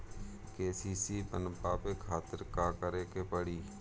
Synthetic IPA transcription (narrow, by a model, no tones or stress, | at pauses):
keːsiːsiːpənpaːpeːkʰaːt̪əɾkaːkəɾeːkepəɽiː